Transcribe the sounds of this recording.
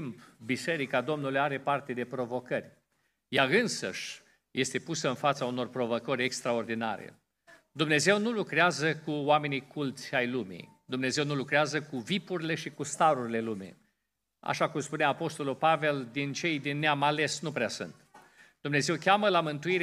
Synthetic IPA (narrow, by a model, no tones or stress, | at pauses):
mpbise̞ɾikad̪o̞mnulujaɾe̞part̪e̞d̪e̞pɾo̞vo̞kərʲ | jaɨnsə̰ʃʲ | je̞st̪e̞pusəɨnfat̪sauno̞rpɾo̞vokəɾʲekst̪ɾao̞rd̪ina̰ɾḛ | d̪umne̞ze̞wnulukɾeazəkuwame̞nikʰult̪sʲajlumḭj | d̪umne̞ze̞wnulukɾeazəkuvipuɾile̞ʃikust̪aɾuɾile̞lumḭ | a̰ʃakumspuneaːpo̞st̪o̞lulpave̞ld̪int͡ʃe̞jd̪inːeamale̞snupɾeasṵnt̪ | d̪̥umne̞ze̞wkʲaməlamɨnt̪uiɾe